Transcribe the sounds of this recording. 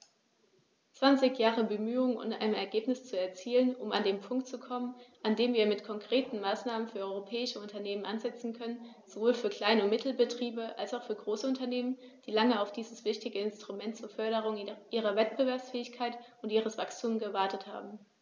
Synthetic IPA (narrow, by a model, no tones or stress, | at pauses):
t͡sv̥ant͡sɪçjaːʁəbəmyːʊŋənʊ̰ntʔa̰ɪnəmɛ̰ɐɡeːpnɪst͡suɛɐt͡siːlənʊma̰ndeːmpʰʊŋk̚tt͡sukʰɔmənʔandeːmviːɐmɪtkʰɔŋkʁ̥eːtn̩maːsnaːmənfyːɐɔʏʁopʰɛːɪʃəʊntɐneːmənʔanzɛt͡sn̩kʰœnən | z̥ovoːlfyːɐkl̥aɪnəmɪtʰl̩bətʁ̥iːbəʔalsaʊfyːɐɡʁoːsəʊntɐneːmənd̥iːlaŋəaʊfd̥iːzəsv̥ɪçtɪɡəɪnstʁ̥umɛntt͡suːɐfœɐɾəʁ̞ʊŋʔiːʁ̞ɐvɛt̚b̥əvɛɐpsfɛːɪçkʰaɪt | ʊntiːʁ̞əsv̥akstʰuːmɡəvaɐtətha̰ːbm̩